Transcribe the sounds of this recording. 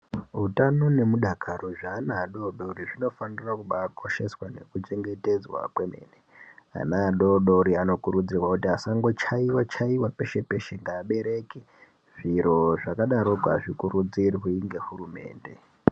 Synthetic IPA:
ɦutano̞ne̞muɗakaroʐaːnaːɗo̞ɗo̞riʐino̞fanirakuɓaːkʰo̞ʃe̞swane̞̰kut͡ʃe̞ŋɡe̞te̞d͡zwa̰kwemḛnea̰naɗo̞ɗo̞ɾiano̞kuɾud͡zirwakutiasaŋɡo̞t͡ʃaiwat͡ʃaiwape̞ʃe̞pe̞ʃeŋɡaːɓe̞ɾe̞ki | ʐ̥iɾo̞ʐakaɗaɾo̞ɡʱa̰ʐikurud͡zirɦiŋɡe̞hurume̞̰ːnde̞

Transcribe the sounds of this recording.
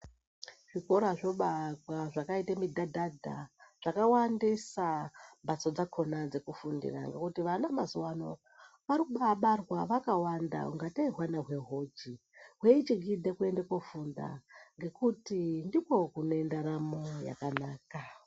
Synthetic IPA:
ʐ̥ikoɾaʐo̞ɓatwaʐakaitamidʱadʱadʱaʐ̥akawandisambasod͡zakʰo̞nad͡ze̞kufundḭra̰ŋɡe̞kutiʋanamazuwano̞ | ʋaɾikuɓaɓarwaʋakawanda̰ṵŋɡataiɦwanaɦwe̞ɦo̞d͡ʒi | ɦweit͡ʃiɡʱidʱekue̞ndekofunda̰ŋɡe̞kutindipo̞kunoendaɾamoja̰kanaːka

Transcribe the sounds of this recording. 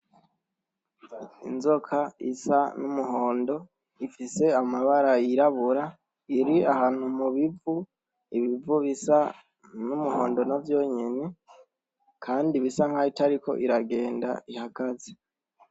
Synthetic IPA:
ḭnzo̞kʰaisanumuɦo̞ːndo̞ | ifise̞amaβaɾajiɾaβuɾa | iɾiahaːn̥humuβivu | iβivuβisa | numuho̞̰ːndo̞navjo̞ːɲe̞ne | kʰaːndiβisaŋhaitaɾiko̞̰ʔiɾaɡe̞ːnda̰ihaɡaze

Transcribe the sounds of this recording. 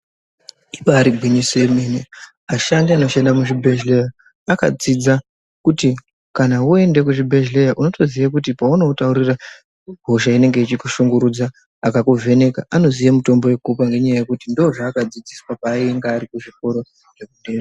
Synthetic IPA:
ipaaɾibʱwiɲisemene | aʃandiano̞ʃendamuʐibʱeʒleja | aka̰d͡zid͡za | kuti | kanaue̞nde̞kuʐibʱe̞ʒlejaʔuno̞to̞ziʋakut̬ipauno̞utauɾira | ɡʱo̞ʃaine̞ŋɡe̞it͡ʃikuʃuŋɡuɾud͡zaː | kakuvʱe̞ne̞kaʔano̞zijamuto̞mbo̞we̞kupaŋɡe̞ɲajaje̞kutindoʐaːkad͡zid͡ziswapaːieŋɡaːɾikuʐiko̞ɾo̞ | ʐ̥e̞kude̞ːme

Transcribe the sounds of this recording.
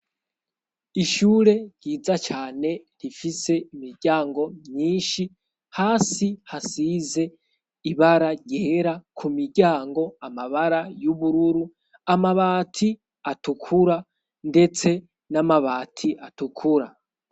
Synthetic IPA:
iʃuːɾe̞ɾjɟiːzat͡ʃaːne̞ɾifise̞imiɾɟaːŋɡo̞mɲiːnʃi | haːsihasize̞ | iβaɾaɾjeːɾakʰumiɾɟaːŋɡo̞amaβaɾajuβuɾuɾu | amaβaːtʰi | atukʰuɾa | nde̞t͡se̞ | namaβaːtʰiʔatukʰuɾa

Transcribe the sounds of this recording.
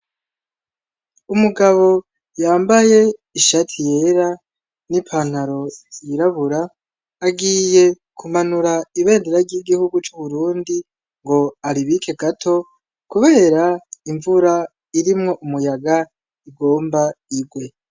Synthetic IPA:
umuɡaβo̞ | jaːmbaje̞iʃatʰije̞ɾa | nipʰan̥haɾo̞jiɾaβuɾaː | ɡije̞ | kʰumanuɾaiβe̞ːndeɾaɾɟiɡihuɡut͡ʃuβuɾuːndi | ŋɡo̞aɾiβikʰe̞ɡatʰo̞ | kuβe̞ːɾaiɱvuɾa | iɾimŋo̞ʔumujaɡa | iɡo̞ːmbaiɡwe̞

